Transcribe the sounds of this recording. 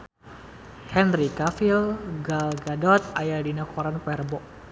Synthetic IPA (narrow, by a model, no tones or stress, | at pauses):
hɛnɾikafilɡalɡadɔt̪̚ajardinakɔɾanpɛrbɔʔ